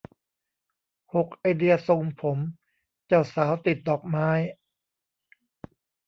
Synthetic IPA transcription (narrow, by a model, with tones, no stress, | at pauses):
ho˨˩k̚ʔa˧jdi˧ɐso˧ŋpʰo˩˦m | t͡ɕa˨˩wsaː˩˦wt̪i˨˩t̪̚dɔː˨˩k̚maː˦˧˥j